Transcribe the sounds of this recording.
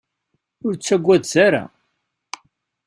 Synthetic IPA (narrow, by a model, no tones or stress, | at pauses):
ʊɾt͡sːæɡʷːæðsaɾa̰